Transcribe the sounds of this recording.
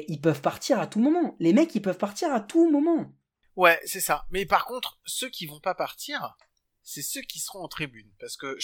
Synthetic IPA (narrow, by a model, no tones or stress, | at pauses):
ilpœvpaʁt̪iʁat̪umɔmɑ̃lemɛkilpœvpaʁt̪iʁat̪umɔmɑ̃ | wɛsɛsamɛpaʁkɔ̃t̪χsøkʲivɔ̃papaʁt̪ʰiːʁ | sɛsøkʲisəʁɔ̃ɑ̃t̪χibynpaʁsə̥kə